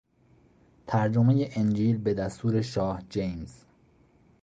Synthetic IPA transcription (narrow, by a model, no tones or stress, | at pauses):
t̪ʰæɾd͡ʒome̞je̞ʔend͡ʒiːlbe̞d̪æst̪uːɾe̞ʃɒːhd͡ʒejmz̥